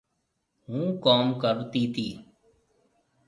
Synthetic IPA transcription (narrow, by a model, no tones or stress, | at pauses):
ɦũːkaːmkəbt̪iːt̪ʰiː